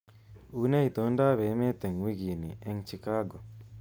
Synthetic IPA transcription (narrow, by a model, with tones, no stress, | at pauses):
une˦it̪o˦nɖaː˦βe˨˦me˦t̪e˨ŋwi˦ɡi˨nḭʔe˧ŋt͡ʃi˨kaː˦ɡɔ˨